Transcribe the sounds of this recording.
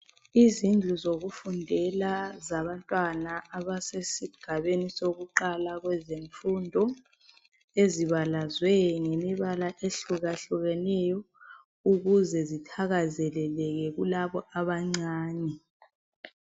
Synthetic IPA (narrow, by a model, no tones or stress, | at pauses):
izind͡ɮʱuzoɣufundʱɛlazaβantʼwanaʔaβasesiɡ̥ʱaβenisoɣuǃalaɣwɛzeɱfundʱɔ | eziβalazwɛŋɛmiβalaʔeɬuɣaɬuɣɛnɛjɔ | uɣuzɛzitʰaɣazɛlɛlɛɣɛɣulaβɔʔaβaŋ͡ǀaːnɛ